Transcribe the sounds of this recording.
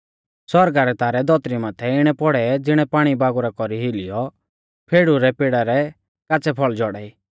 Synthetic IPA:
sɔɾɡaɾɛt̪aːɾɛd̪ɔt̪ɾimaːt̪ʰɛɪɽ̃ɛpɔɽɛd͡zɪɽ̃ɛpaːɽ̃ibaːɡuɾakɔɾiɦɪlɪjɔ | pʰeːɽuɾɛpeːɽaɾɛ | kaːt͡sɛpʰɔɭd͡ʒɔɽɛi

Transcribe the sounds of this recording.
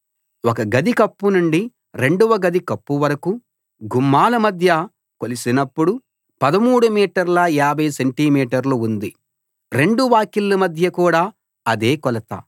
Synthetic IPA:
wɔkɐɡɐd̪ikɐpːunuɳɖi | ɾe̞ɳɖuʋɐɡɐd̪ikɐpːuʋɐɾɐku | ɡumːaːlɐmɐd̪ʱjɐ | kolisinɐpːuɽu | pɐd̪ɐmuːɽumiːʈɐɾlɐaːbʱɐjɐseɳʈiːmiːʈɐɾluund̪i | ɾe̞ɳɖuʋaːkilːɐmɐd̪ʱjɐkuːɽaː | ɐd̪e̞ːkɔlɐt̪ɐ̰ː

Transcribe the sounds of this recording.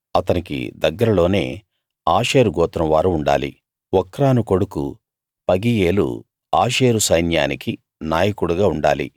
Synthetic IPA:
ɐt̪ɐnikḭd̪ɐɡːɐɾɐlo̞ːne̞ː | aːʃe̞ːɾuɡɔːt̪ɾɐʋaːɾuuɳɖa̰ːlḭ | ɔkːɾaːnuko̞ɽukṵ | pɐɡijeːlṵ | aːʃe̞ːɾusɐjnja̰ːniki | naːjɐkuɽuɡaːuɳɖa̰ːlḭ

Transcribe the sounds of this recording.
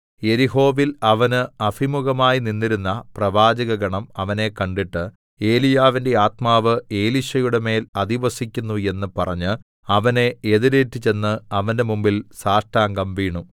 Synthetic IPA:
je̞ɾiɦo̞ːʋilɐʋɐnɨɐfimuɣɐmaːjininːiɾunːɐprɐʋaːd͡ʑɐɣɐɡɐɳɐmɐʋɐne̞kɐɳɖiʈːɨ | e̞ːlijaːʋinde̞aːt̪maːʋɨe̞ːliɕɐjuɽe̞me̞ːlɐd̪iʋɐsikʲːunːue̞nːɨpɐrɐ̰ɲːɨ | ɐʋɐne̞eðiɾeːtːit͡ɕe̞nːɨɐʋɐnde̞mumbilsaːʂʈaːŋɡɐmʋiːɳu

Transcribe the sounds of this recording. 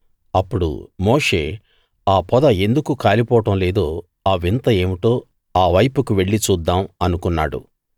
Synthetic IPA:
ɐpːuɽṵmoːʂe̞̰ː | aːpɔd̪ɐe̞nd̪ukukaːlipɔːɐʈɐmle̞ːd̪oː | aːʋint̪ɐe̞ːmiʈo̞ː | aːʋɐjpukuʋe̞ɭːit͡ʃuːd̪ːaːmɐnukunːa̰ːɽṵ

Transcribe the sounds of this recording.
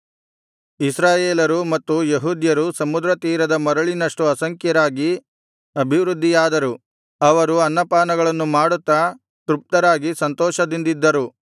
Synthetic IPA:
isɾaːjeːlɐɾumɐt̪ːujeɦuːd̪jɐɾusɐmud̪ɾɐt̪iːɾɐd̪ɐmɐɾɐɭinɐʂʈuɐsɐŋkjɐɾaːɡi | ɐbʱiʋɾud̪ʱːijaːd̪ɐɾu | ɐʋɐɾuɐnːɐpaːnɐɡɐɭɐnːumaːɽut̪ːɐ | t̪ɾup̚t̪ɐɾaːɡisɐnt̪ɔːʃɐd̪ind̪id̪ːɐɾu

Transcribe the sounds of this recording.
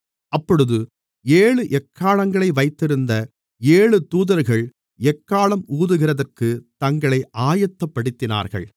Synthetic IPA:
ʔɐpːɔɽɯðɯ | eːɭɯʔɛkːaːɭɐŋɡɐɭɐɪʋɐɪt̪ːɪɾɯnd̪ɐ | eːɭɯt̪uːðɐɾɣɐɭ | ɛkːaːɭɐmuːðɯɣɪrɐðɐrkɯt̪ɐŋɡɐɭɐɪʔaːjɐt̪ːɐpːɐɽɪt̪ːɪna̰ːɾɣɐ̰ɭ

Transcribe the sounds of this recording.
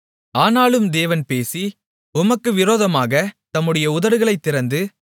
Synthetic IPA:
aːnaːɭɯmd̪eːʋɐnpeːsi | ʊmɐkːɯʋɪɾoːðɐmaːɣɐt̪ɐmːɯɽɐjɐʊðɐɾɯɣɐɭɐɪt̪ːɪɾɐnd̪ɯ

